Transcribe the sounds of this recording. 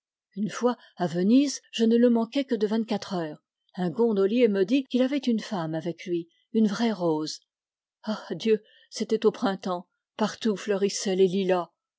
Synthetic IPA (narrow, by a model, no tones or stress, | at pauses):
ynfwa | avənizʒənələmɑ̃kɛkəd̪əvɛ̃nt̪̚kat̪χœːʁ | ɛ̃ɡɔ̃d̪ɔljeməd̪ikʲilavɛt̪ynfamavɛklɥi | ynvʁɛʁoz | ad̪jø | set̪ɛt̪opχɛ̃t̪ɑ̃ | paʁt̪uflœʁisɛlelila